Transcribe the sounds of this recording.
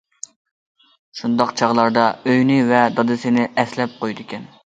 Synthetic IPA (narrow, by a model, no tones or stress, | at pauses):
ʃund̪ɑqt͡ʃʰɑʁlˠɑɾd̪ɑøjnɪvɛd̪ɑd̪ɨsɪnɪʔɛslɛp̚qojd̪ɪkʲɛn